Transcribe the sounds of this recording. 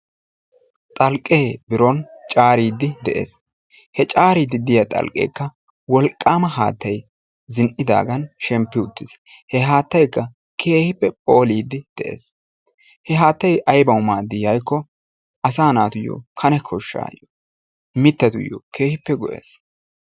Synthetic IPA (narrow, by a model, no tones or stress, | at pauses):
t̪ʼɐlkʼːeːbɪɾɔnt͡ʃʼaːɾiːd̪ːɪd̪ɛʔe̞̰ːs | hɛt͡ʃʼaːɾiːd̪ɪd̪ɪjɐt̪ʼɐ̰lkʼḛːkːɐ | wɔlkʼːaːmɐɦa̰ːt̪ːɐj | zɪnʔɪd̪a̰ːɡɐnʃɛmpːɪʊt̪ːɪs | hɛɦaːt̪ːɐjkːɐ | kʰe̞ːhɪpːɛpʼoːliːd̪ːɪd̪̥ɛʔḛːs | hɛɦaːt̪ːɐjʔɐjbɐwʊmaːd̪ɪjɐjkːɔ | ʔɐsaːnaːt̪ʊjːo̰ːkʰɐnɛkʰɔʃːa̰ːjo | mɪt̪ːɐt̪ʊ̰jːo̰ːke̞ːhɪpːɛɡɔʔḛːs